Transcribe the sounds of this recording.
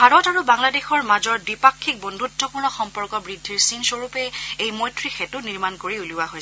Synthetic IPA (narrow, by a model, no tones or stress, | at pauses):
bʱaɹɔtaɹubaŋladexɔɹmazɔɹdipakʰːik̚bɔndʱudʱːɔpuɹnɔxɔmpɔɹkɔbɹidʱːiɹsinsoɹupɛejmɔjtʰɹixetuniɹmankoɹiuliwaɦoj